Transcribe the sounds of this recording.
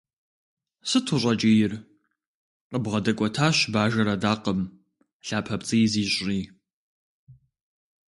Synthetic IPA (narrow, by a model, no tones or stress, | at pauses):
sɨtʰʊɕʷʼɐt͡ʃʼɪjɪr | qəbʁɐdɐkʷʼɔtʰaːɕbaːʒɐɾɐdaːqəm | ɬaːpʰɐpt͡sʼɨjziːɕʼiː